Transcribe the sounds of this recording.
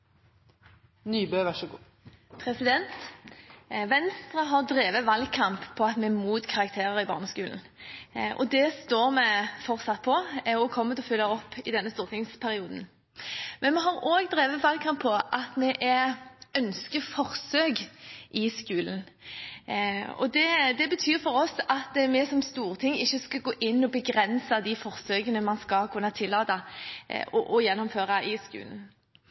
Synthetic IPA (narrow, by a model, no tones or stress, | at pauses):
nyːbøːʋæʃəɡuː | pʰɾɛsɪd̪ɛnt̪ | ʋɛnst̪ʁəɦɑʁd̪ɾeːʋəʋɑlɡkʰɑmpʰːɔɑt̪mɛæmuːt̪kʰɑʁɑkt̪ʰeːɾəɾɪbɑ̰ʁnəskʉːln̩ | ʔɔ̰d̪ɛst̪oːɾmɛfɔʁsɑt̪̚pʰɔɔkʰɔmːət̪ɔfʏlːəɔpːɪd̪ɛnːəst̪uːɾt̪ɪŋspʰæɾɪuːd̪n̩ | mɛnmɛɦɑɾoːɡd̪ɾeːʋəʋɑlɡkʰɑmpʰːɔʔɑt̪mɛʔæœnskəfɔʁsøːɡʔɪskʉːln̩ | ɔ̰d̪ɛd̪ɛbət̪ʰyːɾfɔʁɔsɑt̪mɛsɔmst̪uːʁt̪ʰɪŋɪçːəskɑɡoːʔɪnːɔbəɡɾɛnsəd̪ɪfɔʁsøːkənəmɑnskɑlkʰʉnːət̪ʰɪlːɑːt̪ə | ɔʔɔjɛnːɔmføːʁɑʔɪskʉ̰ːln̩